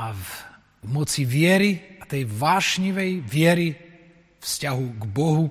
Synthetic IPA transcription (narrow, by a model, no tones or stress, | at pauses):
mɔt͡siʋɪɛɾiat̪ɛjʋaːʃɲiʋɛjʋɪɛɾi | fscaɦuɡbɔɦu